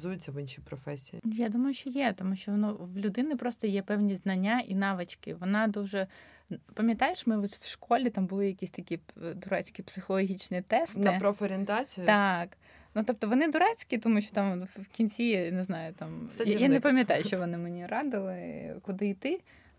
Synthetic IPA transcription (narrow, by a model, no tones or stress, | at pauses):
zujʊt͡sʲːɐʋɪnʃipɾɔfɛsʲijḭnjad̪umɐjʊʃʲt͡ʃɔjɛt̪ɔmuʃʲt͡ʃɔʋɔnɔʋlʲʊd̪ɪnɪpɾɔst̪ɔjɛpɛwnʲiznɐnʲːaʔinɑʋɪt͡ʃkɪ̰ʋɔnɑd̪uʒɛpɐmʲjɐt̪ɑjeʃmɪɔsʲwʃkɔlʲit̪ɑmbʊlˠɪjɐkʲisʲt̪ɐkʲid̪ʊɾɛt͡sʲkʲipsɪxɔlˠɔɦʲit͡ʃnit̪ɛstnɪpɾɔfɔɾʲɪnt̪ɑt͡sʲijʊt̪ɑk | nut̪ɔp̚t̪ɔʋɔnɪd̪ʊɾɛt͡sʲkʲit̪ɔmuʃʲt͡ʃɔ̥t̪ɑmwkʲinʲt͡sʲijɛnɪznɑjʊt̪ɑmjanɛpɐmʲjɐt̪ɑjʊʃt͡ʃɔʋɔnɪmenʲiɾɑd̪ɪlˠɪkʊd̪ɪit̪ɪ